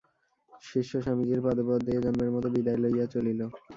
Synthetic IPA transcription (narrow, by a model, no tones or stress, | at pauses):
ʃiʃoʃamid͡ʑiɾpad̪opɔd̪eeɡamːeɾmɔt̪obid̪aelojat͡ɕolilo